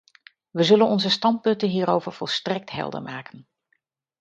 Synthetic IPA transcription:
ʋəzɵlənɔnzəstɑnt̚pɵntənɦiːɾowvəɹv̥ɔlˠstrɛk̚tɦɛ̰lˠdə̰ɹmaːkən

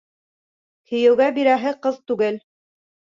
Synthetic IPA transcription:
kɵ̆jɘ̆wɡæbiɾæɦɘqɤðt̪ʉɡɘl

